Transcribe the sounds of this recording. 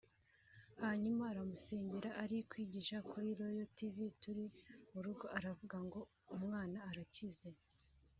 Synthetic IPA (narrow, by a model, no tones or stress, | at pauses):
haːɲumaːɾamuse̞ːɲɟe̞ɾaʔaɾikwiːɟiʃakuɾiɾo̞jo̞tivituɾimuɾuɡo̞aɾavuɡaŋɡo̞ | umŋaːnaːɾacize̞